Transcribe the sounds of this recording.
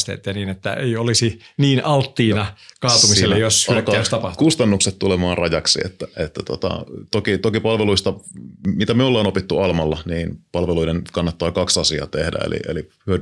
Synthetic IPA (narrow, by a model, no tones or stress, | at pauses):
st̪ḛt̪ːˑæniːnet̪ːæ̰eiolisiniːnɑlt̪ːiːnɑkɑːt̪umiselːejoslkɑost̪ɑpɑt̪kust̪ɑnːukset̪t̪ulemɑːnrɑjɑksḭḛt̪ːæet̪ːæt̪ot̪ɑ̰t̪okit̪okipɑlʋeluist̪ɑmit̪æmiulːɑonopit̪ːuɑlmɑlːɑniːnpɑlʋeluidenkɑnːɑt̪ːɑːkɑksɑsiɑ̰ːt̪ehdæ̰ḛlḭʔḛlḭhyød